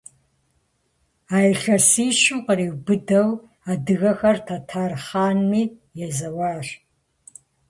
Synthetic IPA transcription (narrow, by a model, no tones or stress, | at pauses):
aːjɬɐsiːʃɪmqəɾiːwbɨdɐw | aːdɨɣɐxɐrtʰɐtʰaːrχaːnmiːjɛzɐwaːr